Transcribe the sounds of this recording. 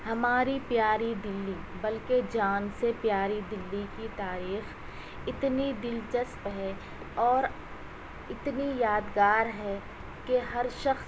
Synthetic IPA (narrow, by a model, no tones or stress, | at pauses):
hɐmaːɾipjaːɾid̪ɪlːi | bɐlked͡ʒaːnsepjaːɾid̪ɪlːikit̪aːɾiːx | ɪt̪nid̪ɪlt͡ʃəspɦɛ | ɔːɾ | ɪt̪nijaːd̪ɡaːɾɦɛ | keɦɐɾʃɐxs